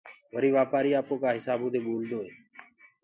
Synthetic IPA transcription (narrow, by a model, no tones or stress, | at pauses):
ʋəɾiːʋaːpaːɾiːaːpõːkaːɦɪsaːbõːd̪eːɓoːld̪oːɦeː